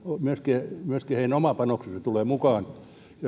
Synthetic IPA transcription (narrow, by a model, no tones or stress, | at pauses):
omyøskimyøskiheinæomɑpɑnokseset̪uleːmukɑːn | jɑ